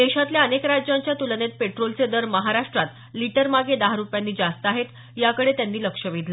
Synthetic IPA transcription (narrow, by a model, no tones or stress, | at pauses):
d̪eɕat̪ljaənekɾad͡ʑjãɲt͡ɕjat̪ulənet̪̚peʈɾolt͡sed̪əɾməɦaɾaʂʈɾat̪ | liʈəɾmaɡed̪aɦaɾupjanːiːd͡zast̪əaɦet̪ | jakəɽet̪janːiːləkʂəʋid̪ʱla